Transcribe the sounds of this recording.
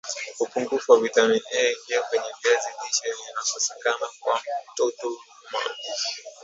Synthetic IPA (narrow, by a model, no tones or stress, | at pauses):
upuŋɡufuwavitaniʔɛŋɡɛɛkwɛɲɛviaziliʃɛnianapasi̥kanakwatɔtɔ | ma̰di